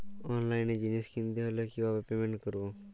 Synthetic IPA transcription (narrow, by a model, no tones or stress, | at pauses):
ɔːnlaːɪned͡ʒineskɪ̃nd̪eɦoːlekiʋaːpepeːmẽɳʈkəɾoː